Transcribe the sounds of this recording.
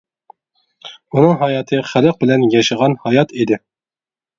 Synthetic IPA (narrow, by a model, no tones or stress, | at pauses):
unɨŋɦɑjɑt̪ʰɨχæləq̚bɪlɛnjɑʃɑʁɑnhɑjɑt̪ʰid̪ɪ